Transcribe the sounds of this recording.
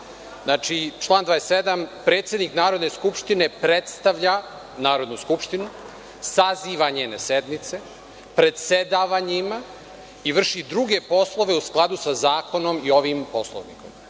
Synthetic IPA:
znaːt͡ʃit͡ʃlˠaːnd̪ʋaːest̪ed̪ampɾe̞ːt̪sjed̪niknaːɾo̞d̪neskupʃt̪ine̞pɾet̪st̪aʋʎa | naːɾo̞d̪nuskupʃt̪inu | saziːʋaɲeːnesed̪mit̪se̞ | pɾe̞d̪sed̪aʋaɲima | iʋr̩ʃid̪ɾuɡe̞po̞slˠo̞ʋe̞usklˠad̪usazaːko̞no̞mio̞ʋimpo̞slˠo̰ʋnḭko̞m

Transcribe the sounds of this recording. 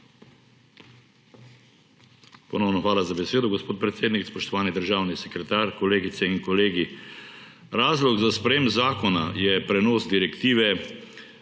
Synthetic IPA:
pɔnɔwnɔxʋaːlazabɛseːd̪ɔɡɔspoːt̪̚pɾɛt̪seːd̪nikspɔʃt̪ɔʋaːnid̪əɾʒaːwnisɛkɾɛt̪aːɾkɔleːɡit̪sɛiŋkɔleːɡi | ɾaːzlɔɡzaspɾɛjeːmbzaːkɔna̰jɛpɾɛnoːsd̪iɾɛkt̪iːʋɛ

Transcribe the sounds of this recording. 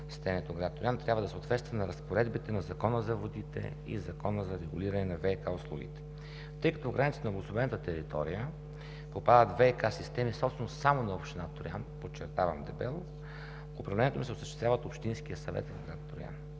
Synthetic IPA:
st̪ɛniɛt̪oɡɾat̪̚t̪ʊɾiant̪ɾjabvəd̪ɐsəot̪vɛt̪st̪vɐnɐɾəspoɾɛd̪bit̪ɛnɐzɐkɔnəzɐvod̪it̪ɛ̰ | ḭzɐkɔnəzɐɾɛɡʊliɾɐnɛnɐvɛkaʊslˠuɡ̟ḭt̪ɛ̥ | t̪ɤjkɐt̪ɔɡɾanit̪st̪nblˠɡʊsˠobɛnət̪ət̪ɛɾit̪ɔ̰ɾijə | popad̪ət̪vɛkasist̪ɛmisɔpst̪ɛnosamonɐopʃt̪inat̪oɾianpot͡ʃːɛɾt̪avəmd̪ɛbɛlˠ | ʊpɾɐvlɛnʲiɛt̪omisɛoʊsəʃt̪ɛst̪ʲavɐət̪opʃt̪insk̟ijəsɐvɛ̰t̪vɡɾat̪t̪oɾia̰n

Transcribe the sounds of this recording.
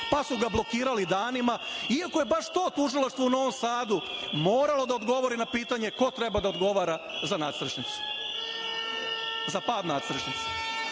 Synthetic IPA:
pasuɡablˠo̞kiːɾalid̪aːnimaiako̞je̞baʂt̪o̞ːt̪uʒilˠaʃt̪ʋouno̞ʋo̞msaːd̪umoːɾalˠo̞d̪aod̪ɡo̞ʋo̞ɾinapiːt̪aɲe̞ko̞t̪ɾe̞bad̪aod̪ɡo̞ʋaːɾa | zanaːt̪sɾ̩ʃnit̪su̥ | zapaːd̪naːt̪sɾʃnit̪su̥

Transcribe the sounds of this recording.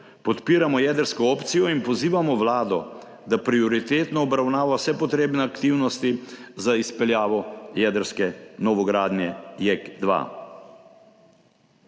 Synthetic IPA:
pɔt̪piːɾamɔjɛːd̪əɾskɔoːpt̪sijɔinpɔziːʋamɔʋlaːd̪ɔ̰ | d̪apɾiɔɾit̪eːt̪nɔːbɾawnaːʋawsɛpɔt̪ɾeːbnɛakt̪iːwnɔst̪izaispɛljaːʋɔjɛːd̪əɾskɛnɔʋɔɡɾaːd̪njɛjɛkd̪ʋa̰

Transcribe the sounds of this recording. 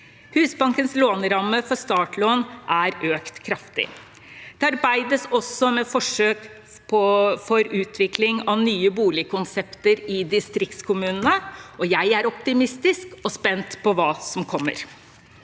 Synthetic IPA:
hʉːsbɑŋkənsloːnɾɑmːəfɔɾʂt̪ɑːʈloːnʔæɾøːkt̪kʰɾɑft̪ɪ̰ | d̪̥ɛɑɾbæɪd̪əsɔsːɔmɛfɔʂøːk | pʰɔfɔɾʉːt̪ʰʋɪklɪŋɑʋnyːəbuːlɪkʰʊnsɛpt̪əɾɪd̪ɪst̪ɾɪk̚t̪skʰʊmʉːnənəɔjæɪæɾɔpt̪ɪmɪst̪ɪskɔspɛnt̪pʰɔʋɑːsɔmkʰɔmːə̰ɾ

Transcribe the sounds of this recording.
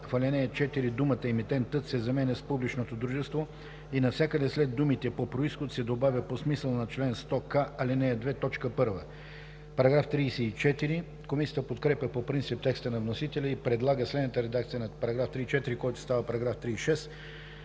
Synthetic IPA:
fɐlʲɛnɛət͡ʃɛt̪iɾid̪umət̪əɛmit̪ɛnt̪ət̪sɛzɐmɛnɛspublit͡ʃnot̪od̪ɾuʒɛst̪vo | inɐfsʲakəd̪ɛslɛd̪ːumit̪ɛpopɾoisxot̪sɛd̪obavʲjəposmisəlˠnɐt͡ʃlɛnst̪ɔkaɐlʲɛnɛɛd̪vɛt̪ɔt͡ʃkəpɤɾvə | pɐɾɐɡɾaft̪ɾiːsɛit͡ʃɛt̪iɾi | komisʲijət̪əpot̪kɾɛpʲəpopɾint̪sip̚t̪ɛkst̪ənɐvnosit̪ɛlʲəipɾɛd̪lˠaɡəslɛd̪nət̪əɾɛd̪ak̚t̪sijənɐpɐɾɐɡɾaft̪ɾit͡ʃɛt̪iɾikɔjt̪o̥st̪avəpɐɾɐɡɾaft̪ɾiːʃɛs

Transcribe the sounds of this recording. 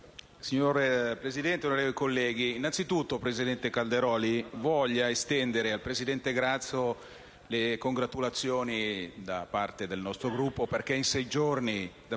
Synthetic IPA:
siɲːoɾpɾezid̪ɛnt̪eonoɾeːvoikolːɛːɡiːnːansit̪ut̪ːopɾezid̪ɛnt̪ekald̪eɾɔːlivɔʎːaest̪ɛnd̪eɾealpɾezid̪ɛnt̪eɡɾat̪sːo | lekoŋɡɾat̪ulat̪sːjoːnid̪apart̪ed̪elnɔst̪ɾoɡɾupːoperk̟einsɛjd͡ʒornid̪a

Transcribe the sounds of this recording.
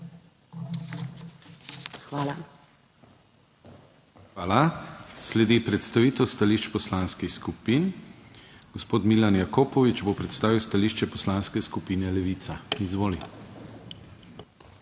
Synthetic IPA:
xʋaːla | xʋaːlaslɛd̪ipɾɛt̪st̪aʋit̪ɔwst̪aliʃt͡ʃpɔslanskixskupin | ɡ̥ɔspoːt̪milanjakoːpɔʋit͡ʃbopɾɛt̪st̪aːʋiwst̪aliʃt͡ʃɛpɔslanskɛskupiːnɛlɛʋit̪saizʋoːli

